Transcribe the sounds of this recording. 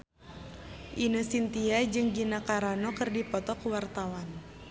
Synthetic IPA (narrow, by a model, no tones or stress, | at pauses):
ʔinəsint̪iad͡ʒɨŋɡinakaɾanɔkɨrdipɔt̪ɔkuwart̪awan